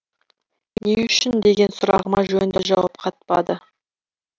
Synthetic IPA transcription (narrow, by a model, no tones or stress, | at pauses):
neʏʃɪnd̪e̞ɡʲe̞nsʊɾɑ̰ʁəmɑʒɵnɪnd̪ɪʒɑwɑp̚qʰɑt̪̚pɑd̪ə